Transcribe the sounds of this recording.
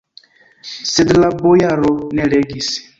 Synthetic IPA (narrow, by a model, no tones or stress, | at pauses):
sed̪labojaɾɔnɛɺɛɡis